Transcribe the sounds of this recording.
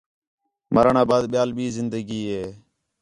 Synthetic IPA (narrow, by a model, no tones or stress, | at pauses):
məɾɳãːbaːd̪ɓɪjaːlɓiːzɪnd̪əɡiːɦeː